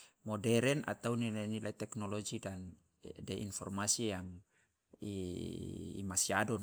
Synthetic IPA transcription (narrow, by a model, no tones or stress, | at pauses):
mɔdɛɾɛna̰t̪aunilanilait̪ɛknɔlɔd͡ʒidan | dɛʔḭnfɔ̰rmasijaŋ | i | ḭmasiadɔn